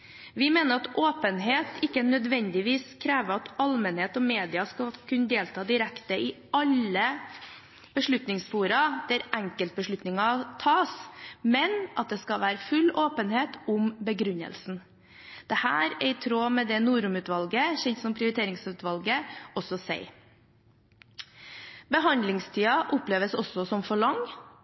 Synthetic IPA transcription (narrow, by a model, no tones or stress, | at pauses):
ʋɪmeːnəɾɑt̪ʔoːpənɦeːt̪ɪkːənœd̪ʋɛnd̪ɪʋiːskʰɾæːʋəɾɑt̪ɑlmənheːt̪ɔmeːd̪ɪɑskɑkʰʉnəd̪eːlt̪ʰɑːd̪ɪɾɛkt̪əɪ | ɑlːə | b̥əʂɭʉt̪nɪŋsfuːɾɑd̪̥æɾʔæŋkəlt̪̚bəʂɭʉt̪nɪŋɑt̪ʰɑːsmɛnʔɑt̪̚d̪ɛskɑʋæːɾəfʉloːpənheːt̪ʊmbəɡɾʉɲːə̰lsn̩ | d̪̥ɛhæ̰ːɾɛɪt̪ʰɾoːmɛd̪ɛnuːɾʊmʉːt̪ʋɑlɡəɕɛnt̪sɔmpʰɾɪʊɾɪt̪ʰeːɾɪŋsʉːt̪ʋɑlɡəɔsɔsæ̰ɪ | bəɦɑnd̪lɪŋst̪ʰiːɑʔʊpleːʋəsɔsɔsɔmfɔɭɑŋ